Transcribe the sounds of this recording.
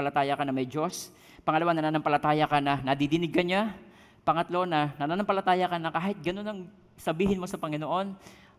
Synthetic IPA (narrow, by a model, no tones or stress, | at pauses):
ɐlɐt̪aːjɐkanɐmɐjd͡ʒos | pɐŋɐlɐwanɐnaːnɐmpɐlɐt̪aːjɐkanɐnɐd̪id̪ɪnɪɡ̚kɐɲa | pɐŋɐt̪lo̞nɐnɐnaːnɐmpɐlɐt̪aːjɐkanɐkaːhɪt̪̚ɡɐno̞nɐŋ | sɐbiːɦɪnmo̞sɐpɐŋɪnoʔo̞n